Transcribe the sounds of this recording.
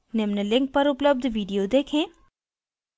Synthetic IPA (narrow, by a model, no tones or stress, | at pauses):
nemnəlɪ̃ŋk̚pɐɾʊpləb̚d̪ʱʋiːɖijod̪eːkʰẽː